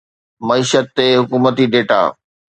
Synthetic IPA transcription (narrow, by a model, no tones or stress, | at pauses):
mɐiːʃət̪ːeɦʊkuːmət̪iɖeːʈa̰ː